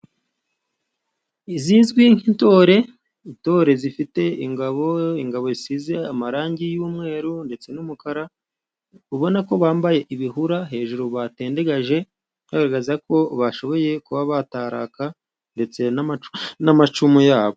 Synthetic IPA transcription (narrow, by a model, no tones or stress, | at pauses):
iziːnzɡwiŋ̥into̞ːɾe̞ | into̞ːɾe̞zifite̞iŋɡaβo̞iŋɡaβo̞isize̞amaɾaːɲɟijuːmŋe̞ːɾunde̞t͡se̞numukaɾa | uβo̞nako̞βaːmbaje̞ʔiβiɦuɾaɦe̞ːʒuɾoβate̞ːnde̞ɡaʒe̞ | haɡaɾaɡazako̞βaʃo̞βo̞je̞kuβaβataːɾa̰ka | nde̞t͡se̞nnamat͡ʃumujaːβo